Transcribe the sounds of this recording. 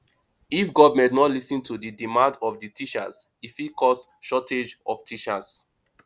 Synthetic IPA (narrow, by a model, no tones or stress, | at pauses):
ifɡɔvmɛ̃ntnɔtlisĩntʰudidimãndɔfditʰiʃa̰sifikʰɔs | ʃɔted͡ʒɔftʰiʃas